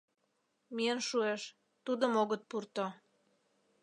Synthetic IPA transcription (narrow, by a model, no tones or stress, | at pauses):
mienʃueʃ | t̪ud̪əmoɣət̪̚purt̪o